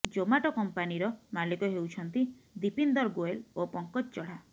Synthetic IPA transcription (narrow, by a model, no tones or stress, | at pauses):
d͡ʒomaʈɔkɔmpaniɾɔmalikɔɦewt͡ʃʰɔnt̪i | d̪ipind̪ɔɾɡoelopɔŋkɔt̚t͡ʃɔɽ̤a